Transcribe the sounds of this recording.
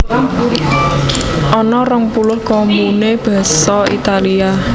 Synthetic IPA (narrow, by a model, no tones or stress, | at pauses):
ʔɔnɔrəŋpulʊhkombuneb̥a̤sɔḭt̪alia